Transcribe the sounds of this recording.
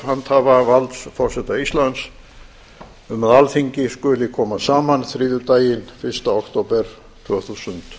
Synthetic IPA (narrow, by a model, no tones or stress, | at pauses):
hant̪havavalt̪sfɔr̥sɛt̪aist̪lant̪s | ʏmːaðalfiɲcɪskʏːlɪkʰɔːmasaːmanθɾiːðʏt̪aːjɪnfɪrst̪aokt̪owpɛɾ̥ | t̪ʰvœːθusʏnt̪